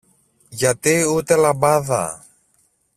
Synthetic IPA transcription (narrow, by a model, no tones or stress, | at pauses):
ʝɐt̪iut̪e̞lɐbɐðɐ̰